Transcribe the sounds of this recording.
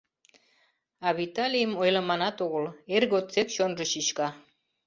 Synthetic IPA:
ɑβit̪ɑlʲijəmojlɑmɑnɑt̪oɣə̆lerɣot̪t͡sekʃonʒə̆ɕiɕkɑ

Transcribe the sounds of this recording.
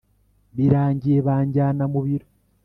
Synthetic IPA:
βiɾaːɲɟijeβaːɲɟaːnamuβiɾo

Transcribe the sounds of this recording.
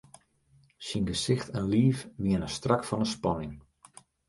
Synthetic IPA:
sinɡəsɪxtʰɛnliːfʋiənəstrakfɑnəspɑnɪŋ

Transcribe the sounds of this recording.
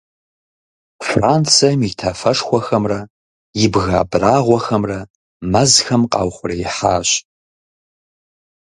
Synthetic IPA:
fraːnt͡sʰɐmitʰɐfɐʂxʷɔxɐmrɐ | jɪbɣa̰ːbraːʁʷɔxɐmrɐ | mɐzxɐmqʼɑ̰ːwχʷʊrɐjɪħaːɕ

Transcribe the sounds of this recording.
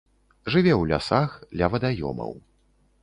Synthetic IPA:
ʐɨvʲɛwlʲa̰saxd̪lʲɐvɐd̪ajɔ̰mɐ̰w

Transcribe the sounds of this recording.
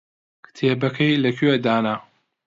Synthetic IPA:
kʰɨ̥t̪ʰeːbɐkʰɐjlɐkʰyed̪aːna

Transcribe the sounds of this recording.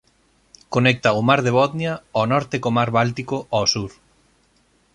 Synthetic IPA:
konɛk̚t̪aomaɾðeβɔðnjaonɔɾt̪ekomaɾβalt̪ikoʔasuɾ

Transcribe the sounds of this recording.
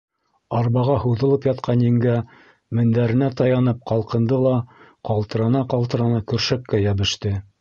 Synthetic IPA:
ɑɾβɑʁɑhuðɤ̆lˠɤpjɑt̪qʰɑnjɘ̆ŋɡæ | mɘ̆nd̪æɾɘ̆næt̪ɑjɑnɤp̚qɑlˠqɤ̆nd̪ɤlˠɑqɑlˠt̪ɤ̆ɾɑnɑqɑlˠt̪ɤ̆ɾɑnɑkɵ̆ɾʃækːæjæβɘ̆ʃt̪ɘ

